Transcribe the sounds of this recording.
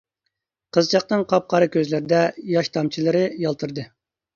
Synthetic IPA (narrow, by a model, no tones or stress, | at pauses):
qʰəzt͡ʃʰɑq̚nɨŋqʰɑp̚qʰɑɾɨkʲʰøzlɪɾɪd̪ɛjɑʃt̪ʰɑmt͡ʃʰilˠɨɾɨjɑlˠt̪ʰɨɾd̪ɨ